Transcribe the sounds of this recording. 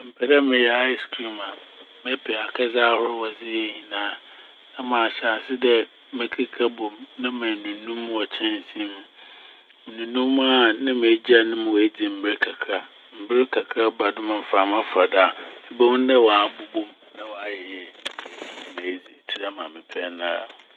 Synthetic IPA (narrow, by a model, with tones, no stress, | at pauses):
m̩˨pʰɛ˨da˦mɪ̃˨jɛ˨a˦ɪ˨skʰɾi˦mã˨ | mɛ̃˦pʰɪ˨a˨kʰa˦zaː˦hʊ˦ɾʊ˦wɔ˨zɪ˦jɛ˦˨ɲĩ˨nãː˦ | nã˦mãː˨ɕa˨sɪ˦dɛ˦ | me˦kʰi˦kʰa˦bɔ̃˨mnã˦mæ̃˨nũ˨nũ˦m̃ː˦ɔ˨t͡ɕʰɛ̃˦n˨sĩ˦mũ˨ | m̩˨nũ˨nũ˦mː˦a˨nã˦me˨˦d͡ʑi˦a˨nʊ̃˦m̃˨we˦d͡ʑi˨m̩˨bɪ˦ɾkʰa˨kʰa˦ | m̩˨bɪ˦ɾɪ˦kʰa˨kʰɾa˦ba˨dʊ̃˦mã˨m̩˨fa˨mã˦fa˨da˦˨ɪ˦bɛ˦w̃n˦dɛ˦wɔ˨˦bu˨bo˦m | nã˦wɔ˨a˨jɛ˨jɛ˦˨˦nɪ̃˨me˨˦d͡zi˨tʰi˦ɾa˦mã˨mɪ̃˨pʰɛ˦nãː˦˨